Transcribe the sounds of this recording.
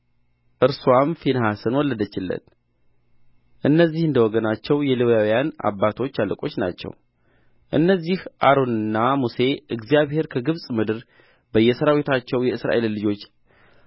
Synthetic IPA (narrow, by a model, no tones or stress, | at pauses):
ʔɨɾsuwamfinhasənwɔlːəd̪ət͡ʃːɪlːə̰t̪ | ʔɨnːəzːihɨnd̪əwɔɡənat͡ʃːɛwjɛlɨβjawjana̰bːat̪ʰo̞t͡ʃːaləkʼo̞t͡ʃːna̰t͡ʃːɛ̰w | ʔɨnːəzːihʔaɾo̞nɨnːamuse̞ʔɨɡzijaβhe̞ɾkʰəɡɨβsʼmɨd̪ɨɾ | bəjːɛsəɾawit̪ʰat͡ʃːɛwjɛɨsɾa̰ʔe̞lːɨd͡ʒo̞t͡ʃː